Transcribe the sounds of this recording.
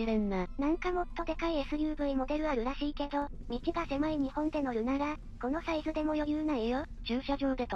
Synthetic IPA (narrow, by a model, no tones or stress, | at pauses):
d͡ʑibɯ̟̃nːanãŋkamo̞t̪ːo̞d̪e̞kaie̞sɨjɯːbɯ̟imo̞d̪e̞ɾɯ̟aɾɯ̟ɾaɕiːke̞d̪o̞mʲit͡ɕiɡase̞mɯiɲ̟ihõ̞nd̪e̞no̞ɾɯ̟naɾa | ko̞no̞saizɨd̪e̞mo̞jo̞jɯːnaijod͡ʑɨːɕoʑo̞ːd̪et̪o